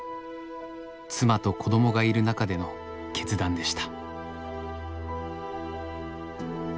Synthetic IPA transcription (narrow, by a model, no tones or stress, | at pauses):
t͡sɨmat̪o̞ko̞d̪o̞mo̞ɡaiɾɯ̟nakad̪e̞no̞ | ke̞t͡sɨd̪ãnd̪e̞ɕi̥t̪ḁ